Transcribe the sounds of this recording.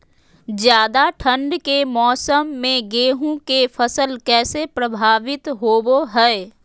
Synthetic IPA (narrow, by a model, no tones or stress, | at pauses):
d͡ʒjaːd̪aʈʰə̃ɳɖkemɔːsəmːẽɡeːɦũkefʰəsəlkɛːsepɾəbʱaːʋɪt̪ɦoːboɦɛ